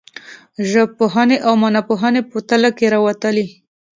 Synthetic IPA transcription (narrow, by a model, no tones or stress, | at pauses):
ʒəb̚poɦaneʔawmanapoɦanepət̪əlakeɾawat̪əli